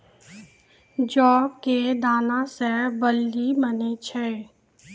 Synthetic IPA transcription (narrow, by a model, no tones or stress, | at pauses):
d͡ʒɔːb̚ked̪aːnasebəlːimənet͡ʃʰe